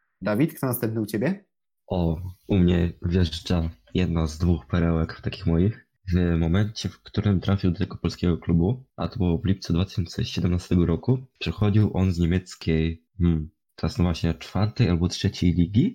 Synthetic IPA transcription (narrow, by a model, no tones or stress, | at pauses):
d̪avʲit̪k̚t̪ɔnast̪ɛmp̚nɘut͡ɕebʲjɛ | ʔɔumɲɛvʲjɛʐt͡ʂa | jɛd̪nazd̪vuxpɛɾɛwɛkft̪akʲixmɔjix | vmɔmɛɲt͡ɕɛfkt̪uɾɘmt̪ɾafʲiwd̪ɔt̪ɛɡɔpɔlskʲɛɡɔklubuʔa̰t̪ɔbɔvlʲipt̪sɛd̪vat̪ɪ̥ɕɔnt̪sɛ̰ɕɛd̪ɛmnast̪ɛɡɔɾɔkupʂɛxɔd͡ʑiwʔɔnzɲemʲjɛt̪skʲej | m̩ | t̪ɔɾasnɔvwaɕɲɛt͡ʂfaɾt̪ɛjalbɔtʂɛt͡ɕejlʲiɡʲi